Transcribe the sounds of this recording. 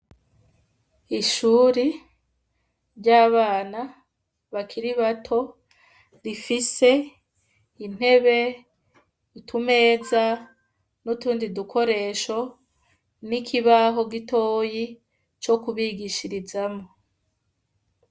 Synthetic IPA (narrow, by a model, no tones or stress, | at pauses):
iʃuːɾi | ɾɟaːβaːna | βakʰiɾiβatʰo̞ | ɾifise̞ | in̥he̞βe̞ | itʰume̞ːza | nutuːndidukʰo̞ɾe̞ːʃo̞ | nikʰiβaɦo̞ɡito̞ːji | t͡ʃo̞kuβiɡiʃiɾizamo